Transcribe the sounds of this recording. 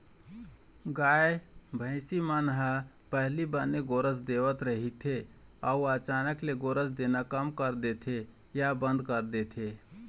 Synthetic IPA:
ɡaːebʱə̃ɪ̃simanɦə | pəɦlibəneɡoɾəsd̪eʋət̪ɾəɦit̪ʰe | əuət͡ʃaːnəkleɡoːɾəsd̪enakəmkəɾd̪et̪ʰe | jabə̃nd̪kəɾd̪et̪ʰe

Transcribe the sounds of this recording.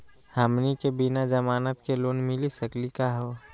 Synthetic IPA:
həmnikebɪnad͡ʒəmaːnət̪keloːnmɪlisəklikaɦoː

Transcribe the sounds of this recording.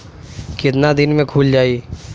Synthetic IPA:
kɪt̪̬nad̪ɪnmẽkʰuːld͡ʒaːi

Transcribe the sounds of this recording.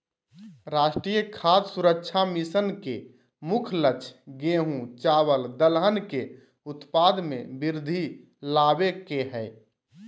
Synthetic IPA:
ɾaːʃʈɾijəkʰaːd̪suɾəkt͡ʃʰamisənke | mʊkʰlət͡ʃʰɡeːɦũt͡ʃaːwəld̪əlɦənke | ʊt̪pad̪mḛ̃biɾd̪ʱi | laːbekeɦɛɪ

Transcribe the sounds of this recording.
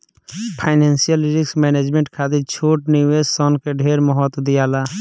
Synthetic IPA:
pʰaːɪneːnsijəlɾɪksmeːneːd͡ʒmẽɳʈkʰaːt̪̬ɪɾt͡ʃʰoːʈniʋeːssɔːnkeɖʱeːɾmɔɦɔːt̪d̪ɪjaːlaː

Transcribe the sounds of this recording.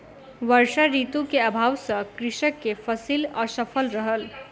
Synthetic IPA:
ʋəɾsaɾit̪ũkeəbʱawsʌ̃kɾiʃəkːepʰəsilʌsəpʰəlɾəɦəl

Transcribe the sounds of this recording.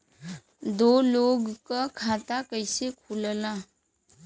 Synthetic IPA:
d̪oloɡkʌkʰat̪akəjsekʰuləla

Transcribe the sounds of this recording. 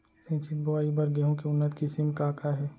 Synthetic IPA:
sẽːt͡ʃɪt̪̚bɐʋaːibɐɾɡɛːɦõkeʊnːət̪kisɪmkaːkaɦɛː

